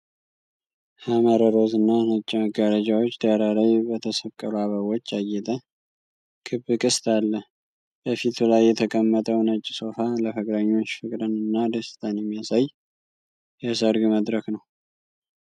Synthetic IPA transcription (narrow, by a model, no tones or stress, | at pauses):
haməɾəɾo̞zɨnːanət͡ʃʼːiməɡaɾəd͡ʒawot͡ʃːd̪əɾalajbət̪ʰəsəβkʼːəluaβəβo̞t͡ʃːajːɛt̪ʼə | kʰɨβːɨkʼɨst̪ʰalːə | b̥əfit̪ʰulajːɛt̪ʰəkʼəmːət̪ʼəwnət͡ʃʼːi̥so̞faləfɨkʼɾəɲːo̞t͡ʃːfɨkʼɾɨnɨnːad̪əsɨ̥t̪ʰʼanjɛmːijasaj | jasəɾɡɨməd̪ɾəknəw